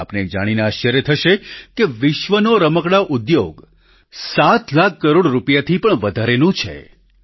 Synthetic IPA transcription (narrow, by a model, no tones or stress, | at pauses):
apned͡ʒaɽ̃ineaʃjəɾet̪ʰəʃekeʋɪʃʋənoɾəməkɽaʔud̪joɡ | sat̪lakːəɾoɽɾupjat̪ʰipəɳʋəd̪ʱaɾenũt͡ʃʰḛ